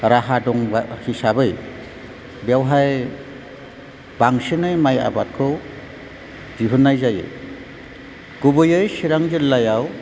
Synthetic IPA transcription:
ɾaɦadɔŋbhisabɯj | bawɦaj | baŋsinɯjmaja̰bat̚kʰɔ | d͡ʒiɦunːajzajɯ̰ | ɡ̥ubɯjɯjsiɾaŋd͡ʒɯlːajaw

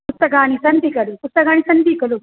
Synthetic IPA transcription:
pust̪ɐkaːnisɐnt̪ikɐɾupust̪ɐkaːnisɐnt̪ikɐlu

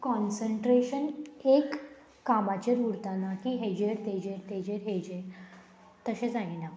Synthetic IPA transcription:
kɔnsəɳʈɾeɕənekː | amat͡ɕeɾuɾt̪anakiɦed͡ʑeɾt̪ed͡ʑeɾt̪ed͡ʑeɾɦed͡ʑe | t̪əɕẽt͡saɦina

